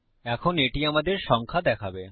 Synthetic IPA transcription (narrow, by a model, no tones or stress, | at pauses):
ɛkʰoneʈiamad̪eɾʃɔŋkʰad̪ɛkʰabe